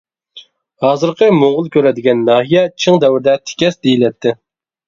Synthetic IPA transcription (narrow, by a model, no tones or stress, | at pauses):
hɑːzɨɾqʰəmoŋʁʊlˠkʲʰøɾɛd̪ɪɡʲɛnːɑːɦijɛt͡ʃʰɨŋd̪ɛwɾɪd̪ɛt̪ʰɪ̥kʲɛsd̪ejilɛt̪ʰːɪ